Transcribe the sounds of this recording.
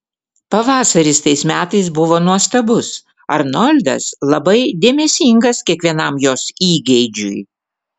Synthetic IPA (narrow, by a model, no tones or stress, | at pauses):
pɐʋɑːsɐɾʲɪst̪ɐɪsmʲæːt̪ɐɪsbʊʋoːnuɔst̪ɐbʊs | ɐɾnɔlʲd̪ɐ̰slˠɐbɐɪd̪ʲeːmʲɛsʲiŋɡɐskʲiɛkʋʲiɛnɐmjoːsiːɡʲɛɪd͡ʒʲʊ̰j